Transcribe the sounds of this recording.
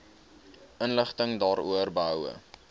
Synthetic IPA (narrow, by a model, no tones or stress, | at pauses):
ənləχtəŋdɑːɾuərbəɦœwə̰